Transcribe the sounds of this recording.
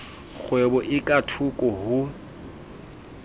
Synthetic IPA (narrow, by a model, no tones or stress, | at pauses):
χwebɔʔɪkʼatʰukʼɔɦʊ